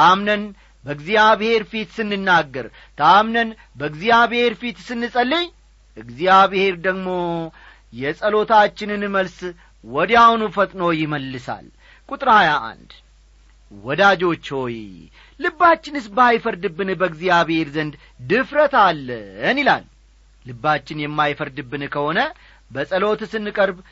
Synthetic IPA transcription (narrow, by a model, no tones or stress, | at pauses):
t̪amnən | bəɨɡzijaβhe̞ɾfit̪sɨnːɨnːaɡːəɾ | t̪ʰamnən | bəɨɡzijaβhe̞ɾfit̪sɨnːɨsʼəlːeɲ | ʔɨɡzijaβhe̞ɾd̪əɡmo̞ | jɛsʼəlo̞t̪at͡ʃːɪnɨnməls | wɔd̪jawnufət̪ʼnəwjɪməlːɨsa̰l | kʼut̪ʼɾhajaʔa̰nd̪ | wɔd̪ad͡ʒo̞t͡ʃːho̞j | lɨbːat͡ʃːɪnɨsbajfəɾd̪ɨbːɨnbəɨɡzijaβhe̞ɾzənd̪ | d̪ɨfɾət̪ʰalːənila̰lː | ɨbːat͡ʃːɪnjɛmːajfəɾd̪ɨbːɨnkʰəho̞nə | bəsʼəlo̞t̪sɨnːɨkʼəɾb